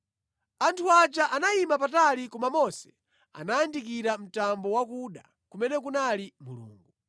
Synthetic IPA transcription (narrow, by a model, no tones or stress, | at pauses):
antʰuat͡ʃaʔanaimapatalikumamɔsɛ̥ | a̰naandik̬iɾam̩tambɔwakuɗa | kumɛnɛkunalimulṵːŋɡu